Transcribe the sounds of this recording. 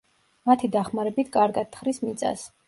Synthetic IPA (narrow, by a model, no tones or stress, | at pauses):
mat̪ʰid̪aχmaɾɛbit̪ʰkʼaɾɡad̪̥̚t̪ːχɾismit̪sʼa̰s